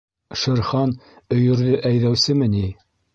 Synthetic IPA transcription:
ʃɘ̆ɾχɑn | ɵ̆jɵ̆ɾðɵʔæjðæwsɘmɘni

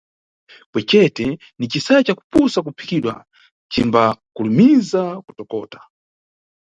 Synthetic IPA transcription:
kwɛt͡ʃɛtɛ | nit͡ʃisajat͡ʃaku̥pusak̬upʰi̥kiɗwa̰ | t͡ʃimbakulumizakutɔkɔ̰ːtḁ

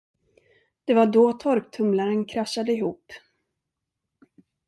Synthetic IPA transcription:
d̪̥ɛvaɖɔt̪ʰɔɾkt̪ʰɵmlaɾənkʰɾaʃad̪əɪɦuːpː

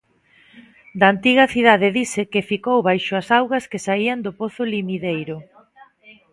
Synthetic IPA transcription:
d̪ɐːnt̪iɣɐθiðaðɪðisɪkɪfikowβajʃʊɐsawɣɐskesaiɐnd̪ʊpoθʊlimiðejɾʊ

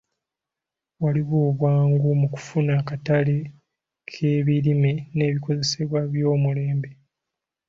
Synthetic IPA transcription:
waliβo̞ːβwaːŋɡumuku̥funakatale̞ | kʰe̞ːβiɾimene̞ːβiko̞ze̞seβwaβjo̞ːmule̞ːmbe̞

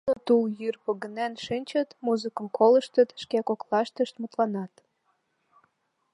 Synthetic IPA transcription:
ot̪uljyrpəɣə̆nænʃinʲt͡ɕət̪muzɨkə̆mkʰoləʃt̪ə̆t̪ʃkekoklɑʃt̪əʃt̪mot̪lɑnɑt̪

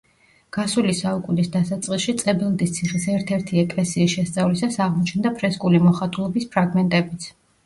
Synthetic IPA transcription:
ɡ̥asulisaukʼunisd̪asat̪sʼqʼisʃit̪sʼɛbilˠd̪ist̪sʰiχisɛɾt̪ʰɛɾt̪ʰiɛkʼlɛsiːsʃɛst̪sʼavlisasaʁmɔt͡ʃʰnd̪apʰɾɛskʼulimɔχat̪ʼulˠɔbispʰɾaɡmɛnt̪ʼɛbit̪sʰ

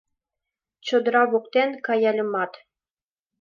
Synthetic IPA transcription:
t͡ɕŏd̪̆ɾɑβuk̚t̪enkɑjɑlʲɤ̆mɑt̪

